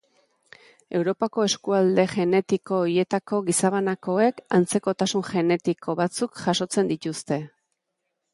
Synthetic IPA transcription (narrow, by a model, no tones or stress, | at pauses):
e̞wɾo̞pako̞e̞skuald̪e̞ʝe̞ne̞t̪iko̞ːɾije̞t̪ako̞ɣisaβanako̞e̞kant͡se̞ko̞t̪asunʝe̞ne̞t̪iko̞βat͡sukʝaso̞t͡se̞nd̪it̪ust̪e̞